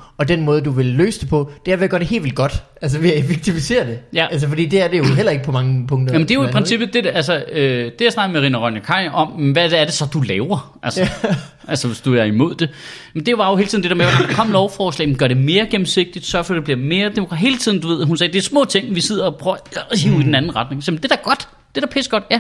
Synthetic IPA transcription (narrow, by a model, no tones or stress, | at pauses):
ɒ̽d̥enmɔːð̞̩ˠduʋe̝lːø̰ːsəd̥e̝pʰɒ̽d̥eæɐʋejaɡ̥ɶɐd̥ehe̝̰ːlʋḛlɡ̥ɒ̽d̥ʔæls̬əʋiefeɡ̥̚t͡sʰifise̝̰ːɐd̥e̝jææls̬əfɒd̥ḭːd̥eæɐd̥e̝joɦel̰ɐe̝ɡ̥əpʰɒ̽mɑ̈ŋəpʰɔ̽ŋ̰d̥ɐæmend̥e̝joipʰʁɛnsib̥ð̩ˠd̥e̝dælsəød̥e̝jɑɪsnɑ̈ɡ̥ð̩ˠmeʁḭːnəʁɒnjɐkʰɑ̈ɪ̰ɒ̽m̰ʋædæɐd̥e̝sɒ̽d̥ulɛːʊɐ | ʔælsə | ʔælsəʋe̝sd̥uæɐimo̝ð̞̰ˠd̥e̝jmend̥e̝ʋɑ̈jo̝helt͡sʰiðˠn̩dedæɐmeʋɑd̥kʰɒ̽m̰lɒʊfɒːslɛ̰ːmenɡɶɐɾ̥e̝me̝ːɐɡ̥em̩se̝ɡ̥̚d̥id̥sɶɐfɒ̽d̥e̝b̥liɐme̝ːɐd̥emokʰɑe̝ːlət͡sʰiðˠn̩d̥uʋe̝ð̰ˠɦunsɛːd̥eæɐsmɔ̰̽ːt͡sʰe̝ŋ̰ʋise̝ð̞̰ˠɐɒpʰʁœɦiid̥enænn̩ʁɑ̈d̥ne̝ŋsɛːmnd̥e̝d̥æɐɡ̥ɒ̽d̥ | d̥e̝ɾ̥ɑ̈pʰesɡ̥ɒ̽d̥jæ